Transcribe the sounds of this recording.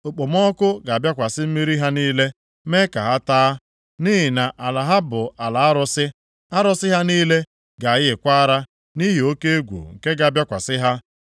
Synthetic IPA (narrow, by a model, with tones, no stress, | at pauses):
o˨k͡po˨m˦ɔ˦kʊ˦ɡa˨bja˦kʷa˨sɪ˦m̩˦mi˦ɾi˦ɦa˦niː˦le˦ | me˦ka̰˨ɦa˦taː˦ | ni˦ɦɪ˨na˨ʔa˨la˨ɦa˦bʊ˨a˨la˨a˦ɾʊ˦sɪ˦ | a˦ɾʊ˦sɪ˦ɦa˦niː˦le˦ | ɡa˨jɪ˦ɪ˨kʷa˦ɾa˦ | ni˦ɦi˨o˦ke˦e˦ɡʷṵ˨ŋ̩˨ke˦ɡa˨a˨bja˦kʷa˨sɪ˦ɦa˦